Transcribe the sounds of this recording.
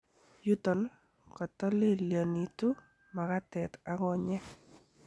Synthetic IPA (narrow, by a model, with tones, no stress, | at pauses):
ju˦t̪ɔ˨n | kɔ˨t̪ɔ˦le˦lja˨ni˨tu˦ | ma˨ka˦tɛ˨t̪a˦ŋɔ˨ɲɛ˦